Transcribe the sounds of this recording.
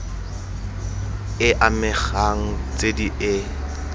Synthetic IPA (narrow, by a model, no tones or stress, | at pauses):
ɪʔamɪχaŋ̩t͡sʼediʔɪ